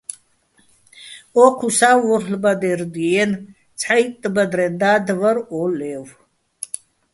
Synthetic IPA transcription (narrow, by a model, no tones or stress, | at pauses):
ɔqʰusawɔɬbad̪ɛɾd̪iɛn | t͡sʰħajt̪ʼːbad̪ɾɛnd̪aːd̪vəɾɔlɛw